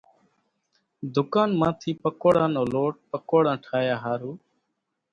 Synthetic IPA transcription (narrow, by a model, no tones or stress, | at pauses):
d̪ʊkaːnmãːt̪ʰiːpəkoːɽãːnoːloːʈ̚pəkoːɽãːʈʰaːjaːɦaːɾuː